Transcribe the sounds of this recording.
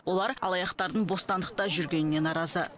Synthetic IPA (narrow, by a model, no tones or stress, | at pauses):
wo̞lˠɑɾɑ̰lˠɑjɑqt̪ɑɾd̪əɴbo̞st̪ɑnd̪əqt̪ɑʒʏɾɡʲe̞nɪne̞nɑɾɑzə